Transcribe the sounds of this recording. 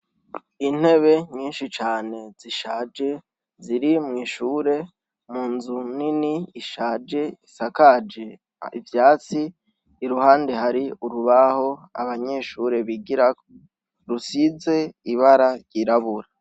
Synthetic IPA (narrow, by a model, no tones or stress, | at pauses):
in̥he̞βe̞ɲiːnʃit͡ʃaːne̞z̥iʃaːd͡ʒe̞ | ziɾimŋiːʃuːɾe̞ | muːnzuniniːʃaːd͡ʒe̞isakad͡ʒe | ḭvjaːt͡siː | ɾuhaːndehaɾiuɾuβaho̞a̰βaɲe̞ʃuːɾe̞βiɡiɾako | ɾusize̞iβaɾaɾɟiɾaβuɾa